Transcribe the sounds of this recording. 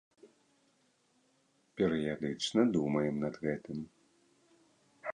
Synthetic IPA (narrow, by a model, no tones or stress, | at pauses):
pʲɛɾɨjad̪ɨt͡ʂnɐd̪umɐjɛmnɐd̪ɣɛt̪ɨm